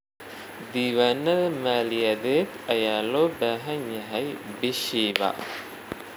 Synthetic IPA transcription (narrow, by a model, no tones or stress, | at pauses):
d̪iʋɐnːɐmaːliɐd̪et̪ɐjaːloːbæːɦɐɲjɐɦɐjbiʃiːʋa̰ː